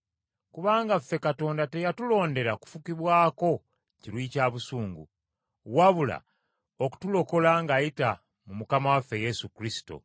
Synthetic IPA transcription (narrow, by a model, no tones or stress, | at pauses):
kuβaːŋɡafːe̞kato̞ːndate̞jatulo̞ːnde̞ɾaku̥fukiβwaːko̞ | ciɾwiːcaːβusuːŋɡṵ | waβula̰ | oku̥tulo̞ko̞laŋɡajita | mumukamawafːe̞je̞sukɾisi̥to̞̰